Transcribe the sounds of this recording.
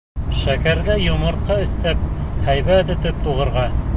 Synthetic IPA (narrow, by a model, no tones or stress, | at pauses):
ʃækæɾɡæjŏmɤ̆ɾt̪̚qɑɵ̆θt̪æp̚hæjβæt̪ɵ̆t̪ɵp̚t̪uʁɤ̆ɾʁɑ